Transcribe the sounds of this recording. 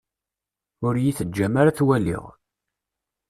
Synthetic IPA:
ʊɾjiθəd͡ʒːæmaɾaθwælːḭʁ

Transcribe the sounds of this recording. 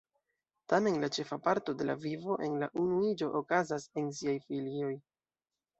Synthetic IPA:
tame̞nlat͡ʃe̞fapaɾto̞de̞la̰vivo̞ʔe̞nla̰ʔunuid͡ʒo̞ʔokazasens̬iajfilio̞j

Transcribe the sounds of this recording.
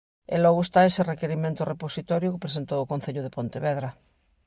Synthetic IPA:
ḛlɔɣoest̪aeserekeɾimẽnt̪oreposit̪ɔɾjʊkepɾes̬ent̪owokon̟θeʎʊð̞epont̪eβeðɾa

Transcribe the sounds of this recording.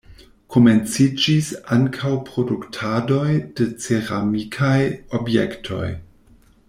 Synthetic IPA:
kʰoment͡sid͡ʒisaŋkʰawpɾo̞duktʰado̞jd̥et͡seɾamikʰajobjḛktʰo̞̰j

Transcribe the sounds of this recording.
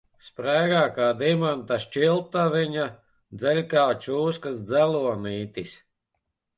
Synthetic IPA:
spɾæːɡaːkaːd̪imant̪aʃt͡ʃilˠt̪aviɲa | d̪zɛlʲkaːt͡ʃuːskasd̪zæluɔniːt̪is

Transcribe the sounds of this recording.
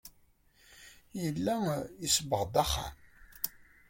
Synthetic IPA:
jəlːæisbəʁd̪æχa̰m

